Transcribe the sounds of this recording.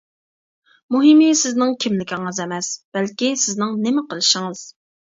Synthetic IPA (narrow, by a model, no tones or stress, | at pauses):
muɦɨmɪsɪznɪŋkʲʰɪmlɪkʲɪŋɨzɛmɛsb̥ɛlkʲisɪznɪŋnɪmɪqʰəlˠɨʃɪŋɨz̥